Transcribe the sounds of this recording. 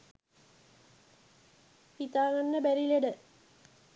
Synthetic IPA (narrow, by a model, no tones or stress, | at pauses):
pit̪aːŋɐnːəbæɾileɖə